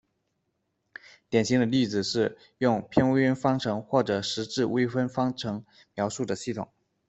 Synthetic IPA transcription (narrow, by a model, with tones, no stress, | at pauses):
t̪jɛ˨˩nɕi˧˥ŋd̪ə˧li˥˩d͡zɹ̩˨˩ʂɻ̩˥˧ | jʊ˥˩ŋpʰjɛ˥nwe˥y˥nfɑ˥ŋʈ͡ʂʰɤ˧˥ŋxwɔ˥˩ʈ͡ʂɤ˨˩ʂɻ̩˧˥ʈ͡ʂɻ̩˥˩we˥ɪfə˥nfɑ˥ŋʈ͡ʂʰɤ˧˥ŋ | mjɑ˧˥ʊʂu˥˩d̪ə˩ɕi˥˩t̪ʰʊ̰˨˩˦ŋ